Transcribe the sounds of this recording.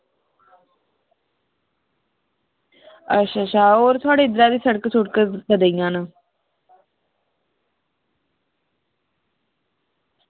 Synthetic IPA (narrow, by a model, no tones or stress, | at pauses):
əʃaʃaːoːɾt̪ʰoaːɽeːɪd̪əɾaːd̪iːsəɽəksʊʈ̚kəd̪əd̪eijãːnaː